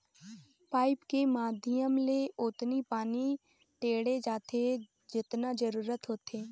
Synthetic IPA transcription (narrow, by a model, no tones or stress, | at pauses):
paːɪpkemaːd̪ʱɪjəmleʊt̪nipaːni | ʈeːɽed͡ʒaːt̪e | d͡ʒɪt̪nad͡ʒəɾuːɾət̪ɦoːt̪ʰeː